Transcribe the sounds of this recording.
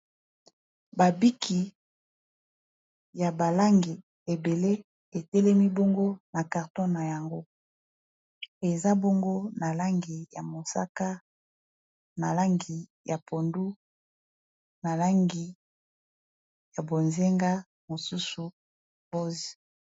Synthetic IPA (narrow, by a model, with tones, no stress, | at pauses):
ba˨bi˦kʰi˨ | ja˨ba˨la˦ŋɡi˨ | e˨be˨le˦ | e˨tɛ˦lɛ˦mi˦bo˦ŋɡo˦na˨ka˨ʁtɔ˦na˨ja˨ŋɡo˦ | e˨za˦bo˦ŋɡo˦na˨la˦ŋɡi˨ja˨mo˨sa̰˦ka˦ | na˨la˦ŋɡi˨ja˨pʰo˨ndu˦ | na˨la˦ŋɡi˨ | ja˨bo˨nze˦ŋɡa˦ | mo˨su˦su˨ | bo˦zi̥˨